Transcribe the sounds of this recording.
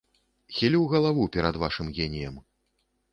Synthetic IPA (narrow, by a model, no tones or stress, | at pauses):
xʲilʲiwɣɐlˠavupʲɛɾɐd̪vaʂɨmɣʲenʲijɐm